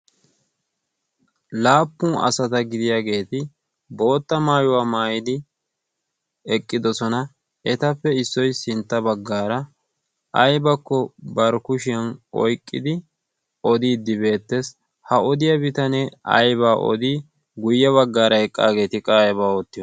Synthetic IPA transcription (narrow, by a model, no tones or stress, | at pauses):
laːpːʊːɐ̰sɐt̪ɐɡɪd̪ɪjaːɡe̞ːt̪ɪ | bo̞ːt̪ːɐmaːjʊwaːmaːjɪd̪ɪ | ɛkʼːɪd̪ɔsɔnɐ | ɛt̪ɐpːɛɪsːɔjsɪnt̪ːɐbɐɡːaːɾɐ | ʔɐjbɐkːɔbɐɾkʊʃɪjɐnɔ̰jkʼːɪd̪ɪ | ɔd̪iːd̪ːɪbe̞ːt̪ːes | hɐɔd̪ɪjɐbɪt̪ɐnɛɐ̰jβaːʔɔ̰d̪i | ɡʊjːɐβɐɡːaːɾɐɛkʼːa̰ːɡe̞ːt̪ɪkʼaːjɐbaːɔt̪ːɪjɔ